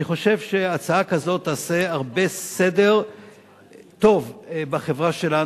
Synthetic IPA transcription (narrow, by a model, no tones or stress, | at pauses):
iχo̞ʃe̞vʃeat͡saakazo̞t̪ːaːseaʁbe̞sedeʁ | t̪o̞vbaχevʁaʃe̞la